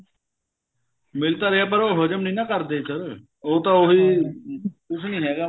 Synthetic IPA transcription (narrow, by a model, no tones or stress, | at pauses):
mɪlt̪aːɾəaːp̬əɾoːɦəd͡ʒəmnĩːnãːkəɾd̪eːsəɾ | oːt̪ãːoɦiː | kʊsnĩːɦɛːɡaː